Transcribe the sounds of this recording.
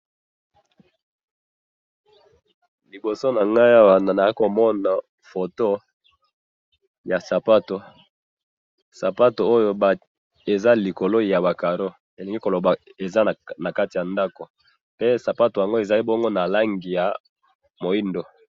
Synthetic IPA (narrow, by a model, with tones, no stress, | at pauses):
li˨bo˨so˦na˨ŋɡa˦ja˦wa˨na˨na˨i˦ko˨mɔ˦na˨ | fo˨to˦ | ja˨sa˨pa˦to˨ | sa˨pa˦to˨o˦jo˦ba˨ | e˨za˦li˨ko˨lo˦ja˨βa˨ka˨ɾo˦ | e˨le˨ŋɡi˦ko˨lo˨ba˨e˨za˦n˨na˨ka˦ti˨ja˨nda˦ko˨ | pe˦sa˨pa˦to˨ja˨ŋɡo˦e˨za˨li˦bo˦ŋɡo˦na˨la˦ŋɡi˨ja˨ | mo˨i˦ndo˨